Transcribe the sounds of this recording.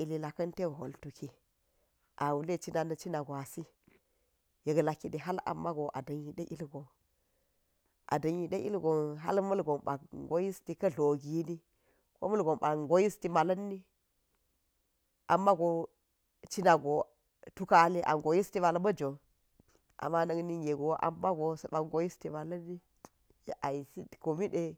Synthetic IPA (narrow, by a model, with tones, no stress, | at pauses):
i˨li˨la˨kɐ˦nte˦˨ɦo̰˨ltu˨ki˨ | ʔa˨wu˨le˦˨t͡ʃi˦na˨nɐ˨t͡ʃi˦na˨ɡo˨a˨si˦ | je˨ɡla˨ki˨ɗi˨ɦa˦la̰˨mːa˦ɡo˨ʔa˨dɐ˨ɲji˨ɗe˦ʔi˦lɡo˨ | ʔa̰˨dɐ˨ɲji˨ɗe˦ʔḭ˦lɡo˨ɦa̰˦lmɐ˦lɡo˨mɓa̰˨kɡo˦ji˦sti˨kɐ˦ɮo˨ɡi˨˦ni˦ | ko̰˦mɐ˦lɡo˨mɓa˨ŋɡo˦ji˦sti˨ma˨lɐ˦nːi˦ | ʔa˨mːa˦ɡo˨ | t͡ʃi˦na˨ɡo˨ | tu˦ka˦li˦ʔa̰˨ŋɡo˨ji˦sti˦ma˨la˦bɐ˦d͡ʒo˨ | ʔa̰˨mːa˦nɐ˨ɡni˦ŋe˨ɡo˨˦ʔa̰˨mːa˦ɡo˨sɓa˨ɡo˨˦ji˦sti˦ma˨lɐ˦nːi˦ | jʔa˨ji˨si˦˨ko˨mi˦ɗe˦